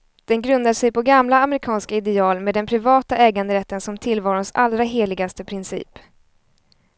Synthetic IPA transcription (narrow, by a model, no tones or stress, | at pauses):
d̪̥ɛnɡɾɵnd̪aʂɛjpɔɡamlaːmɛɾɪkʰɑːnskaɪd̪ɛɑːlmeːd̪ɛnpʰɾɪvɑːt̪aʔɛːɡand̪əɾɛt̪ːənsɔmt̪ʰɪlvɑːɾʊnsa̰lːɾaɦeːɭɪɡast̪əpʰɾɪnsḭːp